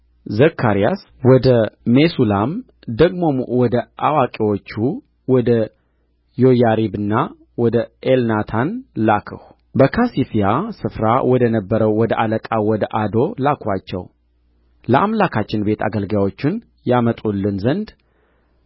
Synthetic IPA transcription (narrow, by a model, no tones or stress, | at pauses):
zəkʰːaɾija̰s | wɔd̪əmesulam | d̪əɡmo̞mwɔd̪əʔawakʼiwo̞t͡ʃːu | wɔd̪ə | jo̞jaɾibɨnːa | wɔd̪əelnat̪ʰanlakʰə̰h | bəkʰasifijasɨfɾawɔd̪ənəbːəɾəwːɔd̪əʔaləkʼawɔd̪əʔad̪o̞lakʰwat͡ʃːɛ̰w | ləʔamlakʰat͡ʃːɪnbe̞t̪ʰa̰ɡəlɡawo̞t͡ʃːɪn | jamət̪ʼulːɨnzənd̪